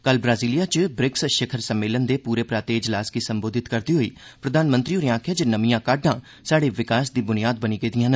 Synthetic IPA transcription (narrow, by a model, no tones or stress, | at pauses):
kəlbɾaːziːlijaːt͡ʃbɾɪksʃəkʰəɾsəmːeːlənd̪eːpuːɾeːpɾaːt̪eːɪd͡ʒlaːsɡiːsəmboːd̪ʱɪt̪kəɾd̪iːɦoḭːpɾəd̪aːnmə̃nt̪ɾioːɾiãːkʰad͡ʒənəmijãːkaɖãː | saːɽeːʋɪkaːsd̪iːbʊnijaːd̪̚bəniːɡeːd̪ɪjãːnə